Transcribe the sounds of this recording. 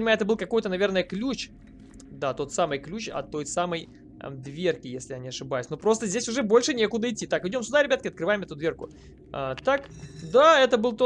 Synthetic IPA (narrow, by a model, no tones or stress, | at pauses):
nʲɪmaʊɛt̪əbɨlˠkɐko̞jt̪ənɐvʲe̞rnəjəklʲut͡ɕ | d̪at̪o̞t̪samɨjklʲut͡ɕɐ̰t̪ːo̞jsaməj̰ | d̪vʲe̞rkʲɪjesʲlʲɪjɐnʲiɐʂɨbajʉsʲnopɾo̞st̪əzʲdʲesʲʊʐɛbo̞lʲʂɨnʲe̞kʊd̪əɪtʲːit̪akɨjdʲo̞msʲʊd̪aɾʲɪbʲat̪̚kʲɪɐt̪kɾɨvajɪmɛt̪ʊd̪vʲerkʊ | a̰t̪akd̪aɛt̪əbɨlˠt̪o